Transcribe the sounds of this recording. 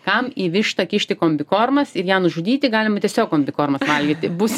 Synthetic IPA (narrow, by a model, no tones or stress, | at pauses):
kɐmiːʋʲɪʃt̪ɐkʲɪʃʲt̪ʲɪkoːmʲbʲɪkoːrmɐsɪɾjæːnʊʒʊd̪ʲiːt̪ʲɪɡɑːlʲɪmɐt̪ʲɛsʲoːkkoːmʲbʲɪkoːrmɐsʋɐlʲɡʲiːt̪ʲɪbʊs